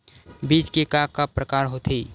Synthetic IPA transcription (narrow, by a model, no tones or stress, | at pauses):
biːt͡ʃkikakapɾəkaːɾɦot̪ʰi